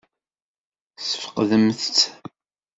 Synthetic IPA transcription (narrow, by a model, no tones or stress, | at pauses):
sə̥fə̥qðəmθt͡sː